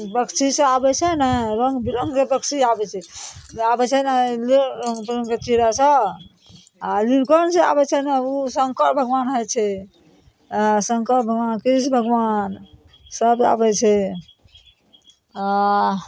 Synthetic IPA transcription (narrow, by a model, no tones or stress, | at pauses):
bəksʰisə̃abɛt͡ʃʰɛnaɾəŋɡbiɾəŋɡebəksiabɛt͡ʃʰɛabɛt͡ʃʰɛnaliɾəŋɡpɾŋket͡ʃiɾasə | alinkənsẽa̰bɛt͡ʃʰɛnausəŋkəɾbʱəɡʋanɦəjt͡ʃʰɛ | asəŋkəɾbʱəɡʋankisbʱəɡwan | səba̰bɛt͡ʃʰɛ | a